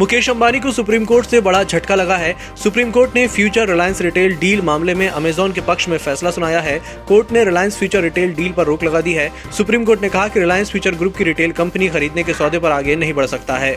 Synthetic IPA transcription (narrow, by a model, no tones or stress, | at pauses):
mʊkeːʃɐ̃mbaːnikosʊpɾiːmkoːɾʈsebɐɽad͡ʒʱɐʈkalɐɡaɦɛː | sʊpɾiːmkoːɾʈnefʰjuːt͡ʃəɾːɪlaːjə̃nsɾɪʈeːlɖiːlmaːmlemẽʔɐmeːzɔːnkepɐkʃmẽfɛːslasʊnaːjaɦɛː | koːɾʈneɾɪlaːjə̃nsfʰjuːt͡ʃəɾːɪʈeːlɖiːlpɐɾːoːklɐɡad̪iɦɛː | sʊpɾiːmkoːɾʈnekɐɦakiɾɪlaːjənsfʰjuːt͡ʃəɾɡɾuːp̚kiɾiːʈeːlkɐ̃mpənixɐɾiːd̪nekesɔːd̪ʱepɐɾaːɡenɐɦĩbɐɽ̤sɐk̚t̪aɦɛː